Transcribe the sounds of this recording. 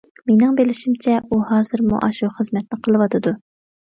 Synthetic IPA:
menɪŋbelɪʃimt͡ʃʰɛuhɑːzɨɾmṵʔɑʃuχəzmɛt̪̚nɨqʰəlˠɨwɑt̪ʰɨd̪u

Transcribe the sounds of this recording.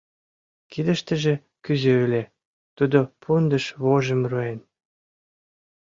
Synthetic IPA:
kid̪ə̆ʃt̪ə̆ʒĕ | kyzeylʲe | t̪ud̪opʰund̪ə̆ʃβoʒə̆mruen

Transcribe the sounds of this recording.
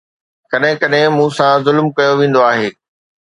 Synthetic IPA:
kɐɗɦɪ̃kɐɗɦɪ̃mũːsãzʊlmkɐjoʋẽːn̆d̪oaːɦeː

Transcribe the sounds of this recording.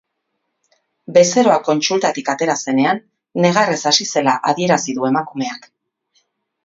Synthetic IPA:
be̞se̞ɾo̞ako̞nt͡sult̪at̪ikat̪e̞ɾase̞ne̞anː | e̞ɣ̞are̞sasise̞laʔaðie̞ɾasiðue̞makume̞ak

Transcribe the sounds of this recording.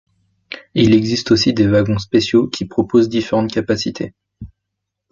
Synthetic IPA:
ilɛɡzist̪osid̪evaɡɔ̃spesjokʲʰipχɔpozd̪ifeʁɑ̃t̪kʲapasit̪ʰḛ

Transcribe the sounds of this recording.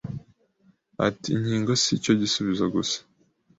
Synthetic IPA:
a̰tiɲhiːŋɡo̞sico̞ɟisuβizaɡusḁ

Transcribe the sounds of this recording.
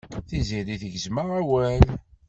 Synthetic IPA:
θiziliθəʝəzməʁæwæl

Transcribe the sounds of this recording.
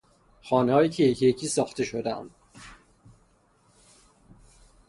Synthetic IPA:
xɒːneɒːjiːcʰejecʰjecʰiːsɒːxt̪ʰe̞ʃo̞d̪æ̰md̪

